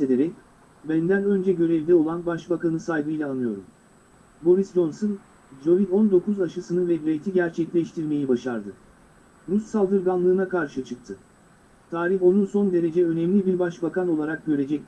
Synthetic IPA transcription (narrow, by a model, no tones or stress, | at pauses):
e̞d̪e̞ɾɛc | bænd̪ænø̞nd͡ʒɛɟø̞ɾevd̪ɛo̞lˠanbaʃbakanɯsajɡɯjlʲˠaːnɯjo̞ɾum | bo̞ɾisd͡ʒo̞nsɯn | d͡ʒo̞vid̪o̞nd̪o̞kʰuzaʃɯsɯnɯvɛd̪iɾejt̪ʰiɟæɾt͡ʃʰɛclʲɛʃt̪ʰiɾme̞jibaʃaɾd̪ɯ | ɾusːalˠd̪ɯɾɡanlˠɯːnakʰaɾʃɯt͡ʃʰɯk̚t̪ʰɯ | t̪ʰaːɾiɦo̞nunso̞nd̪e̞ɾe̞d͡ʒɛø̞nɛmlʲibiɾbaʃbakʰano̞lˠaɾak̚ɟø̞ɾe̞d͡ʒɛc̚